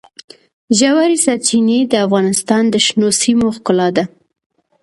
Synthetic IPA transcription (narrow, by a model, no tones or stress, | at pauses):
ʒawaɾisat͡ʃined̪əafɣɑnɪst̪ɑnd̪əʃnosimoxkʊlɑd̪a